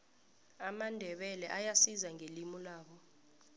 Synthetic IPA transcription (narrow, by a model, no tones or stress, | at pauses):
amandʱɛɓɛlɛʔajasizaŋʱelimulaːɓɔ